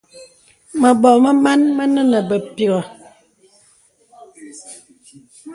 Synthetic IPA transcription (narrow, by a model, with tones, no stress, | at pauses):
mə˨ɓɔ˨mə˦ma˦nmə˦nə˦nə˨bə˨pi˨ɣə˨